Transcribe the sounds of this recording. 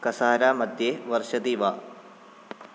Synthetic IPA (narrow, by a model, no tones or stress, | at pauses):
kɐsaːɾaːmɐd̪ʱjeːʋɐrʃɐd̪iʋaː